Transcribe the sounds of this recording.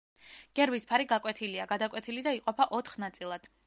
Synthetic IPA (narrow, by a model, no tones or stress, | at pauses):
ɡ̥ɛɾvispʰaɾiɡakʼwɛt̪ʰiliaɡad̪akʼwɛt̪ʰilid̪aiqʼɔpʰaʔɔt̪ʰχnat̪sʼilˠad̪̥